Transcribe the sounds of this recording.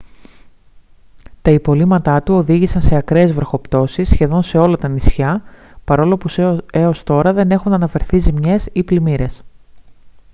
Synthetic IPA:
t̪ɐipo̞limɐt̪ɐt̪uo̞ðiʝisɐnse̞ɐkɾe̞ːzvɾo̞xo̞pt̪o̞sisːçe̞ðo̞nse̞o̞lɐt̪ɐnisçɐpɐɾo̞lo̞puse̞o̞st̪o̞ɾɐðe̞ne̞xunɐnɐfe̞ɾθizimɲe̞siplimiɾe̞s

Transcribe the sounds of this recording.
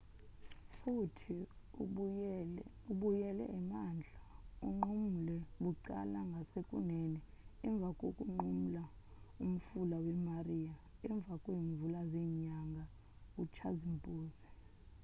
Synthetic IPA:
futʰi | uɓujɛlɛ̰ʔɛmaːnd͡ɮʱauŋ͡ǃum̩lɛɓuǃa̰laŋɡʱasekʼunɛnɛɛɱb̪vʱakʼokʼuŋ͡ǃumula | um̩fulawɛmarijaɛɱb̪vʱakʼweːɱvulazeːɲaŋɡʱa | kut͡ʃʰazimpʼuːzi

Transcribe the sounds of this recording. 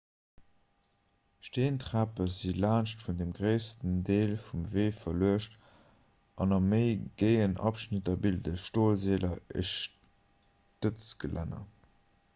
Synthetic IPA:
ʃteːntʁæpəzilaːnʃtfundemɡʁeɪstəndeːlfumveːfɐluəʃt | ʔɑnɑməɪɡ̥eɪənɑ̰pʃnitɐbildəʃtoːlzeːlʔɐəʃ | tət͡sɡ̥əlʔæ̰nɐ̰

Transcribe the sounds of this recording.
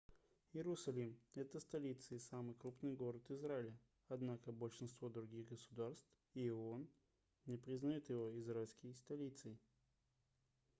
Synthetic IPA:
jɪɾʊsɐlʲimɛt̪əst̪ɐlʲit̪sɨɪsamɨjkɾupnɨjɡo̞ɾət̪ɪzraɪlʲə | ɐd̪nakəbəlʲʂɨnst̪vo̞d̪ɾʊɡʲiɣɡəsʊd̪arst̪v | ion | nʲɪpɾʲɪznɐjot̪jɪvo̞ɪzɾaɪlʲskʲɪjst̪ɐlʲit̪sɨɪ

